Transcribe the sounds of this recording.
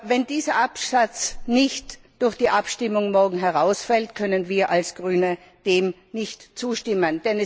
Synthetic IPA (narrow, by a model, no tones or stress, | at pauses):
vɛndiːzɐʔapsat͡snɪçtd̥ʊɐçd̥iːʔapʃtɪmʊŋmɔɐɡŋ̩ɦɛʁaʊsfɛltkʰœnənviːɐʔalsɡ̥ʁyːnə | d̥eːm | nɪçtt͡suːʃtɪmənd̥ɛnɛ